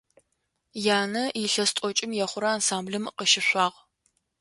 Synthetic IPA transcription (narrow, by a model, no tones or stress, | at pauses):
jaːnɐɪɬɐstʼɔt͡ʃʼɪmjɛχʷʊɾɐaːnsaːmbɮɨmqəʃɪɕʷɑːʁ